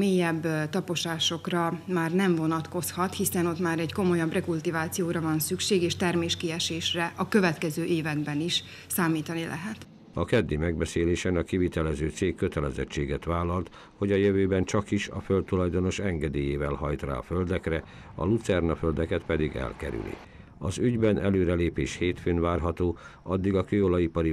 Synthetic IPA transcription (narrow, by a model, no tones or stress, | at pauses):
meːjɛbːt̪ɒpo̞ʃaːʃo̞krɒmaːrnɛɱvo̞nɒt̪ko̞shɒt̪hisɛno̞t̪maːɾɛɟko̞mo̞jɒbrɛkult̪ivaːt̪sijoːɾɒvɒnsykʃeːɡeːʃt̪ɛrmeːʃkiɛʃeːʃrɛʔɒkø̞vɛt̪kɛzøːʔeːvɛnbɛniʃ | saːmiːt̪ɒnilʔɛ̰ɦɛt̪ | ɒkɛd̪ːimɛɡbɛseːleːʃɛnɒkivit̪ɛlɛzøːt̪seːkːøt̪ɛlɛzɛ̰t͡ʃːeːɡɛt̪ʋaːlːɒlt̪ | ho̞ɟɒjøvøːbɛnt͡ʃɒkiʃɒ̰følt̪ːulɒjd̪o̞no̞ʃɛŋɡɛd̪eːjeːvɛlɦɒjt̪ra̰ːɒføld̪ɛkrɛ | ɒ̰lut̪sɛrnɒføld̪ɛkɛt̪pɛd̪iɡɛ̰lkɛ̰ɾy̰lḭ | ɒzyɟbɛnʔɛløːɾɛleːpeːʃheːt̪føːnvaːrɦɒt̪oːɒd̪ːiɡɒkøːolɒipɒɾi